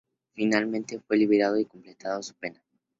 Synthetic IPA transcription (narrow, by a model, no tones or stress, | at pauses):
finalmẽnt̪e̞fwe̞liβeɾað̞o̞iko̞mple̞t̪að̞osu̥pe̞na